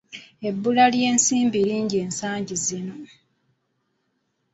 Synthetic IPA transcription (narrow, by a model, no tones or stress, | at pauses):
e̞bːulalje̞ːnsiːmbiɾiːɲɟie̞ːnsaːɲɟizino̞